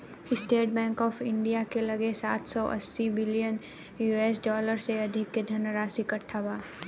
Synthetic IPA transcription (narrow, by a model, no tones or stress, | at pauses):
ɪsʈeːʈ̚bɛ̃ːŋkɔːfʰɪ̃ɳɖijakelɐɡesaːt̪ʰsɔːʔɐ̰sːibɪlijən | jueːsɖɔːləɾseɐd̪ʱɪkːed̪ʱɐnɾaːsikɐʈʰːabaː